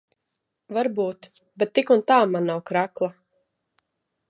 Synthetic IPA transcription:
vaɾbuːt̪ | bɛt̪ːikunt̪aːmanːawkɾaklˠa

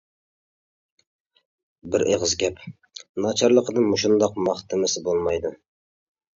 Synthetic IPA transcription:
bɪɾʔḛʁəzɡʲɛp | nɑt͡ʃʰɑɾlˠəqənɨŋmuʃund̪ɑqmɑχt̪ʰɪmɪsɪbolˠmɑjd̪u

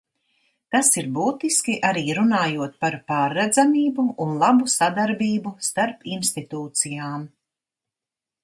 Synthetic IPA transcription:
t̪asiɾbuːt̪iskʲiʔaɾiːɾunaːjuɔt̪̚paɾpaːɾːɛd̪zamiːbuunlˠabusad̪aɾbiːbust̪aɾpinst̪it̪uːt̪sijaːm

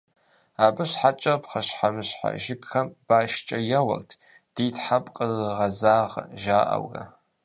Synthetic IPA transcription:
aːbɨɕħat͡ʃʼɐpχɐɕħamɨɕħa̰ʒɪkʼxɐmb̥aːʃt͡ʃʼɐjɐwɐ̰rtʰ | d̥iːtħapʼqʼəlɨʁɐzaːʁʒaːʔɐ̰wɡɐ̰

